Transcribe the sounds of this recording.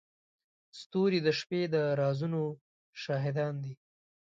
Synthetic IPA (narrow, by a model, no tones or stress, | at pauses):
st̪oɾid̪əʃped̪əɾɑzuno | ʃɑɦɪd̪ɑnd̪i